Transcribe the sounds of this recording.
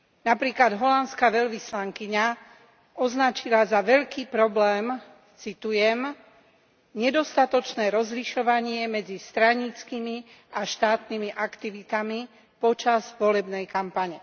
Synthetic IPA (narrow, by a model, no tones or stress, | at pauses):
napɾiːklad̪ɦɔlantskaʋɛʎʋislaŋkiɲa | ɔznat͡ʃilazaʋɛʎkiːpɾɔblɛːm | t͡sit̪ujɛm | ɲɛd̪ɔst̪at̪ɔt͡ʃnɛːɾɔzliʃɔʋaɲɪɛmɛd͡zist̪ɾaɲit͡skimi | ʔaʃt̪aːt̪nimiʔakt̪iʋit̪ami | pɔt͡ʃazʋɔlɛbnɛjkampaɲɛ